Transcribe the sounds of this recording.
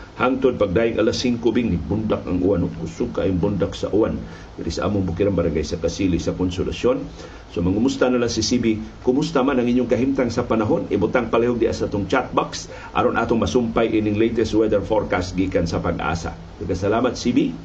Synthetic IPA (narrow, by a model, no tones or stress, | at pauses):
haŋt̪ʊd̪̚paɡ̚dajiŋʔa̰lasiŋkubiŋnibund̪ak̚aŋʔuwanʊkʊsukaiŋbundaksa̰ʔuwan | d̪ɪɾisaʔa̰mʊŋbʊkiɾambaɾaŋɡajsakasilisakonsʊlasjon | somɐŋʊmust̪analasisibikʊmust̪amanaŋiɲjʊŋkɐɦimt̪aŋsɐpanaɦonibut̪aŋpalejoɡ̚dia̰saat̪ʊŋt͡ʃat̪̚baks | ʔa̰ɾonʔat̪ʊŋmɐsumpajʔiniŋlejt̪ɛst̪wɛd̪ɛɾfoɾkast̪̚ɡikansapaɡʔa̰sa̰ | t̪aɡasalamat̪̚sibi